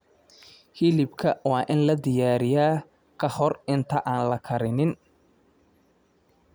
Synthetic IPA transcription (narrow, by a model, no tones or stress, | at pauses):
hilɪbkʰɐwɑːʔɪnlɐd̪ɪjaːɾɪjaː | kʰɐhɔrɪnt̪ʰɐʔaːnlɐkʰɐɾɪnɪn